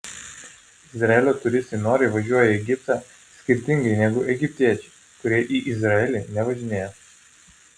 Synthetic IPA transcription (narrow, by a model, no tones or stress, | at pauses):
ɪzɾɐɛlʲoːt̪ʊɾʲɪsʲt̪ʲɛɪnoːɾʲeɪʋɐʒʲuɔjɛɛɡʲɪpt̪ɑ | sʲkʲɪɾʲt̪ʲɪŋɡɐɪnʲɛɡʊʔɛɡʲɪpʲt̪ʲiɛt͡ʃʲɛ̥ɪ | kʊɾʲiɛʔiʔɪzɾɐɛlʲɪnʲɛʋɐʒʲɪnʲeːjɛ